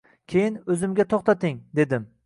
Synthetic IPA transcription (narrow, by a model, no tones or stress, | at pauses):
kʲʰejɪnɵzɪmɡʲat̪ʰoχt̪ʰat̪ɪŋd̪e̞d̪ɪm